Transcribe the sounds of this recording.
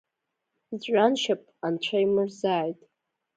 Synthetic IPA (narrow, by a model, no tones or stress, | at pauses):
zɥʷʼanʃap̚ʼʰant͡ɕʷʰajmɨrzaːjtʼ